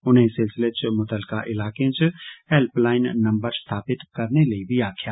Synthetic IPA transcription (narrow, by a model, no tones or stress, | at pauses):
ʊnɦẽsɪlsɪlet͡ʃmʊt̪əlkaʔɪlaːkẽt͡ʃɛlplaːɪnːɐ̃mbəɾst̪ʰaːpɪt̪kɐɾneleibʱiaːkʰjaː